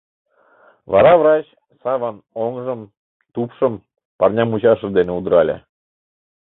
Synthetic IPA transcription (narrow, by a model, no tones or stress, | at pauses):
vɑ̰ɾɑvɾɑt͡ɕ | sɑvɑnoŋʒɤ̆m | t̪upʃɤ̆m | pɑrnʲɑmut͡ɕɑʃɤ̆d̪eneud̪əɾɑlʲḛ